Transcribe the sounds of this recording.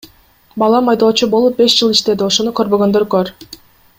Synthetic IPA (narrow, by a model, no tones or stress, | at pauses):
bɑlˠɑmɑjd̪o̞ːt͡ʃubo̞lˠup̚be̞ʃd͡ʒɯlˠiʃt̪e̞d̪io̞ʃo̞nukø̞ɾβø̞ɡø̞nd̪ø̞ɾkøɾ